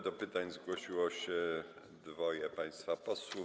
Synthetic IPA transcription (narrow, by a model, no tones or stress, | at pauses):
d̪ɔpɘt̪aɲzɡwɔɕiwɔɕɛ | d̪vɔjɛpaj̃st̪fapɔswu